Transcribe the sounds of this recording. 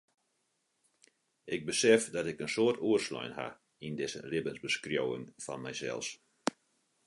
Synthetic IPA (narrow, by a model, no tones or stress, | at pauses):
ʔɪɡ̚bəsɛfdɔtɪkənsoərtuərslɔ̰jnɦa̰ | indɪsə̰lɪbənzbəskrjowɪ̰ŋfɔ̰nmɛjsɛ̰lˠs